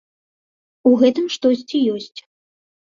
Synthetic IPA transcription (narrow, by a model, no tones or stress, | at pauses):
uɣɛt̪ɨmʂt̪ɔsʲt͡sʲijɔsʲt͡sʲ